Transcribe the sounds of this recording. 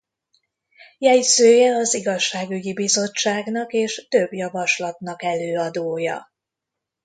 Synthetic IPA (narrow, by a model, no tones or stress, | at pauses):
jɛjsøːjɛɒziɡɒʃːaːɡyɟibizo̞t͡ʃːaːɡnɒkeːʃt̪ø̞bjɒvɒʃlɒt̪nɒkɛløːɒd̪oːjɒ̰